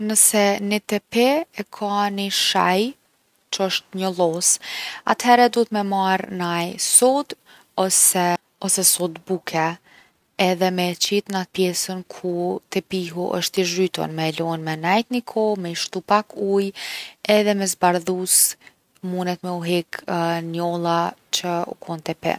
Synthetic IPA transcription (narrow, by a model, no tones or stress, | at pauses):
nəsɛnit̪ɛpɛɛkʰaniʃa̰j | t͡ʃəəʃt̪̚ɲəlˠɔsa̰t̪hɛɾɛd̪uət̪mɛmaɾnajsɔd̪ | ɔsɛ | ɔsɛsɔd̪bukʰɛ | ɛðɛmɛt͡ʃit̪nat̪̚pjɛsənkʰut̪ɛpiɦuʔə̰ʃt̪iʒɾyt̪ɔ̰nmɛlɔnmɛnajt̪nikʰɔmɛʃt̪upakʰujɛðɛmɛzbaɾðus | munɛt̪mɛuɦɛknjɔlˠat͡ɕəṵkʰɔnt̪ɛpɛ̰n